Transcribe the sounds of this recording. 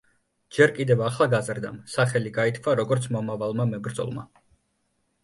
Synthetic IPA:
d͡ʒɛɾkʼid̪ɛvaχlˠaɡazɾd̪a̰msaχɛliɡait̪ʰkʰvaɾɔɡɔɾt̪sʰmɔmavalˠmamɛbɾd̪zɔ̰lˠma̰

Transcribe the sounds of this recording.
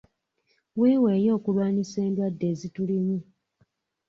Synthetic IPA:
weːweːjo̞ːkulwaːɲise̞ːndwadːe̞ːzituliɲi

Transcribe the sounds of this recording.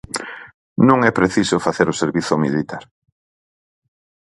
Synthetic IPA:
nũŋɛpɾeθisofaθeɾʊseɾβiθʊmḭlit̪aɾ

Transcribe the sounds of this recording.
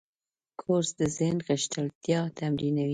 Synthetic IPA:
kʰoɾsd̪əzɪhnɣəʃt̪əlt̪jɑt̪ʰamɾinawi

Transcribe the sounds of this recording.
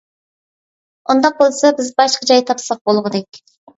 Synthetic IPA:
ʔond̪ɑq̚bolˠsɑbɪzbɑʃqʰɑd͡ʒɑjt̪ʰɑpsɑq̚bolˠʁəd̪ɛkʲ

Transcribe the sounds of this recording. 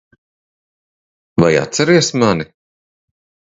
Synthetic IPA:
vaja̰t̪sɛɾiɛsmani

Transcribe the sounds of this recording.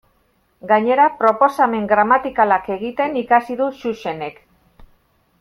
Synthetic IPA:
ɡaɲe̞ɾapɾo̞po̞same̞ŋɡɾamat̪ikalake̞ɣ̞it̪e̞nikasiðuʃuʃe̞ne̞k

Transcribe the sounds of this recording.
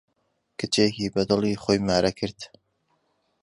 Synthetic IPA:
kɨt͡ʃeːkiːbɐd̪ɨlˠiːχoːjmaːɾɐkʰɨɾd̪̥

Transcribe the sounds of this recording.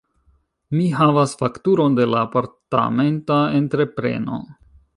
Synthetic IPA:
miɦavasfaktuɾo̞nde̞laːpaɾta̰me̞ntae̞ntɾe̞pɾe̞̰no̞̰

